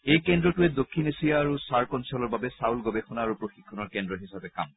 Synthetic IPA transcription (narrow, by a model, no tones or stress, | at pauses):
ejkendɹɔtʊɛd̪okʰːinesijaːɹusaɹkɔnsɔlɔɹbabɛsawlɡobexɔnaːɹupɹoxikʰːɔnɔɹkɛndɹɔɦisabɛka̰m